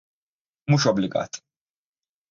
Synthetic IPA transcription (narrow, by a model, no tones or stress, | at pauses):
muːʃɔblɪɡɐ̰ːt̪